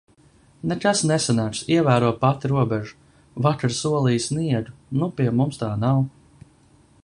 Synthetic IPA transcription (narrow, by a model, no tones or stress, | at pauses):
nɛk̪asnɛsanaːɾsiɛvæːɾuɔpat̪iɾuɔbɛʒu̥ | vakaɾsuɔlˠiːjsniɛd̪unupiɛmumst̪aːnaw